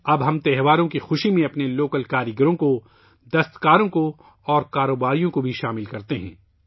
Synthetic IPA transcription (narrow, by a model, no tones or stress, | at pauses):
ɐbɦɐ̃mt̪ɛɦʋaːɾõkixʊʃimẽɐpneloːkəlkaːɾəɡəɾõko | d̪ɐst̪kaːɾõko | ɔːɾkaːɾoːbaːɾijõkobʱiʃaːmɪlkɐɾt̪eɦɛ̰̃ː